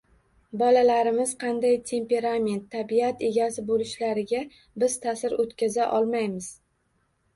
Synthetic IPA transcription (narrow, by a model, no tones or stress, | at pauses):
bɒlalaɾɪmɪzqʰɑnd̪ajt̪ʰe̞mpe̞ɾame̞nt̪ʰːabiat̪e̞ɡʲasɪbolɪʃlaɾɪɡʲa | bɪz̥t̪ʰasɪɾot̪kʲazaʔɒlˠmajmɪz̥